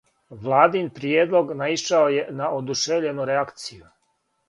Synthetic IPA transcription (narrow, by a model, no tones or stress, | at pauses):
ʋlˠaːd̪inpɾjeːd̪lˠo̞ɡnaiʃaoje̞naʔod̪uʃeʋʎe̞nuɾeakt̪siju